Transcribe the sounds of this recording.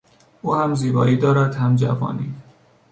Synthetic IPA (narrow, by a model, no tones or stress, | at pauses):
uːhæmziːbɒ̰ːiːd̪ɒːɾæd̪hæmd͡ʒæ̰vɒ̰ːnḭː